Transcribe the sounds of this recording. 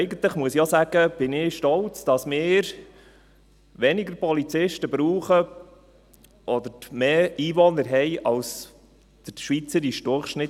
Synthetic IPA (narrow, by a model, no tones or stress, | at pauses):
ɪɡənt̪ləχmuəsijosæɡ̥əb̥ɪnɪʃtɔlt͡sd̥ɑsmɪːɾ | ʋɛnɪɡəɾpɔlit͡sɪʃtəbɾuːχə | ʔɔd̪əɾmeːiːʋɔnəɾɦɛɪʔɑls | d̪̥əɾʃʋit͡səɾiʃd̥ʊɾχʃnɪ